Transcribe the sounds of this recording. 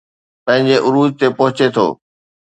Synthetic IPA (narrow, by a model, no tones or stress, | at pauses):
pɐ̃ɦɪ̃ɲd͡ʑeʔʊɾuːd̪̚t̪epɐɦʊt͡ɕet̪ʰo̰ː